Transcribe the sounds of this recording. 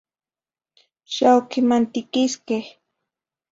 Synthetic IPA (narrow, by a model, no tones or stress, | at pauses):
ʃawkɪmant̪ɪkɪskeh